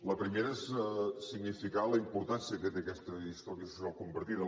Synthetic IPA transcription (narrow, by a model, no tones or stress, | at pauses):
ləpɾimeɾəessiɡnifikaləimpuɾt̪ansiət̪et̪ekɛst̪əist̪ɔɾiəsu̥sialˠkumbəɾt̪iðə